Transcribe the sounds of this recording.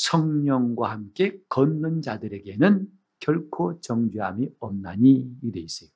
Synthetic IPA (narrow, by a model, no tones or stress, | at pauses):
sʰʌŋɲʌŋɡwahamk͈e̞kʌnːɯnd͡ʑadɯɾe̞ɡe̞nɯn | kjʌɭkʰot͡ɕʌŋd͡ʑiɦamiʌmnaɲijideis͈ʌjo